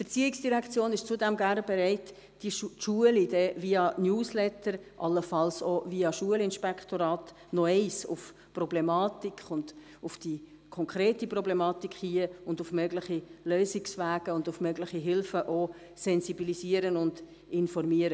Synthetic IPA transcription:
fɛɾt͡siːɪksd̥iɾækʰt͡sjoːnɪʃt͡sudɛmɡæɾnbɛɾɛɪt | d̥iʃuəlidɛviɑnjuːslɛtəɾʔɑlːəfɑlsoviːɑʃuəlɪnʃpɛkχtoɾɑːt | nɔɛɪsʊ̰f | prɔblɛmɑːtikχʊnd̥ | ʊfd̥i | kʰɔŋkʰɾeːtiprɔblɛmɑːtikχhiəʊndʊfmøɡlɪχiløːsɪksvæːɡ̥əʊndʊfmøɡlɪχiɦɪlfəʔo | sɛnsibilisiəɾənʊnd | ɪnfɔrmiəɾə

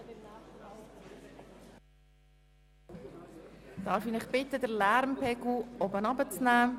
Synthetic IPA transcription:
d̥ɑːɾfinɪχb̥ɪtədəlæɾmpʰɛɡl̩ɔbənɑbət͡snæː

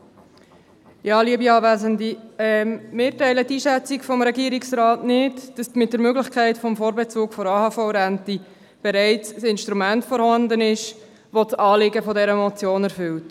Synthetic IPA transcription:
jɑːliəbiɑːvæːzəndiɛmɪːɾtɛɪlətiːʃɛt͡sikfɔmɾɛɡiːəɾiksɾɑːtnɪtd̥ɑsmɪt̚d̥əɾmøɡlɪxkʰæɪtfɔmfoːɾbɛt͡suːkfɔɾɑːhɑːfɔʊɾænti | b̥ɛɾɛɪt͡ssɪnʃtɾumæntfɔɾhɑndənɪʃ | ʋot͡sɑːlɪɡəfɔdɛɾəmɔt͡sjoːnæɾfʏlt

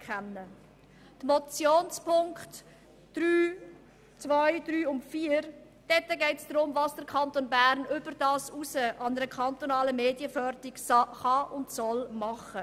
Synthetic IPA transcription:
kχɛnːə | t̪mɔt͡sjoːnspʰʊŋkχtː | ɾyː | t͡svaɪdɾyːʊntfiːəɾ | d̥ɛt̪ːəɡɛɪtsd̥ɾʊmvɑsd̥əɾkʰɑnt̪onbæɾnʏb̥əɾd̥ɑːsusəʔɑnəɾəkχɑnt̪onɑːləmeːdiəfœɾtɪksχɑʔʊntsɔlmɑχə

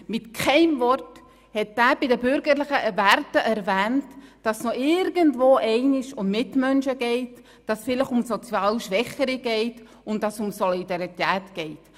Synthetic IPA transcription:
mɪtkχɛɪmvɔrt | hɛt̚d̥æːbɪdəbʏɾɡəɾləχəvæɾtəʔɛɾvæːntd̥ɑsnɔɪɾɡəntvoːʔɛɪnɪʃʊmːɪtmœnʃəɡɛɪt | d̥ɑsfɪləχʊmsɔt͡sjɑːlʃʋɛχəɾiɡ̥ɛɪt | ʊntdɑsʊmsɔlidɑɾit̪ɛːtɡ̥ɛɪt

